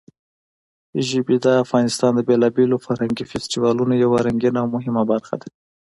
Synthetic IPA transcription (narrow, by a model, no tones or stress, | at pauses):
ʒɪbid̪əafɣɑnɪst̪ɑnd̪əbelɑbelofaɾhaŋɡifestiwɑlunajawaɾaŋɡinaːwmʊɦɪmabaɾxa̰d̪a